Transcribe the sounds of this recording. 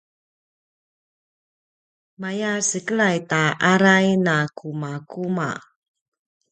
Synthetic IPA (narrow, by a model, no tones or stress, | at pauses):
majasəkəɭajtaʔaɾajnakʰumakuma̰